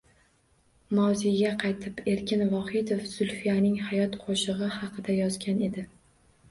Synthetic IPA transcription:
mawzijɡʲaqʰɑjt̪ʰɪpe̞ɾkʲɪnvɒhɪd̪ofz̥ʊlˠfijanɪŋhajɒt̪qʰoʃɨʁɨhɑqʰɨd̪ajɒzɡʲane̞d̪ɪ

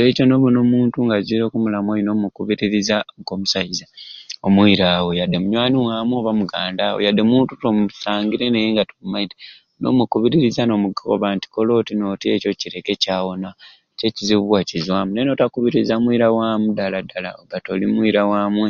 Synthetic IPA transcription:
eːco̞no̞βunomuːntuŋɡaziɾo̞kumulamwoino̞mukuβiɾiɾizaŋko̞musaizaomwiːɾaːwo̞jadːemuɲwaːniwaːmwoβamuɡaːndaːwo̰jadːe̞muːntutomusaːŋɡiɾe̞ne̞jeːŋɡatoβumaiti̥ | no̞̰mukuβiɾiɾizano̞muɡo̰βanti̥kolo̞ːtino̞tie̞co̞ciɾe̞ke̞caːwo̞na | ce̞ciziβuwacizwaːmuneno̞takuβiɾizamwiːɾawaːmudaladala̰oβatolimwiɾawaːmwe

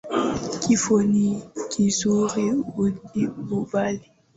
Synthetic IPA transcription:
kifonikʰizuʁibudibubali

